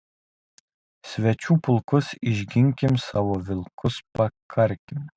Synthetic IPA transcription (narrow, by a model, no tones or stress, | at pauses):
sʲʋʲɛt͡ʃʲuːpʊlˠkʊsɪʒʲɡʲɪŋʲkʲɪmsɑːʋoʋʲɪlˠkʰʊspɐkʰɐɾʲkʲɪm